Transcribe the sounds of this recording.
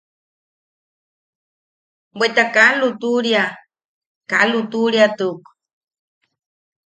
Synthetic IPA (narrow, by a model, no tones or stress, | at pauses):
bet̪akalut̪uɾja | kalut̪uɾjat̪uk